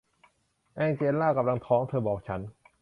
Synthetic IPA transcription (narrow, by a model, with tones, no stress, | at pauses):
ʔɛː˧ŋt͡ɕeː˧nlaː˥˩ka˧mla˧ŋt̪ʰɔː˦˥ŋt̪ʰɤː˧bɔː˨˩k̚t͡ɕʰa˦˥n